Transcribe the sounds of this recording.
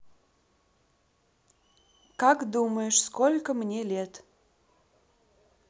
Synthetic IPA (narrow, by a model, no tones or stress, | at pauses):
kakd̪uməjʊʃskolʲkəmnʲelʲet̪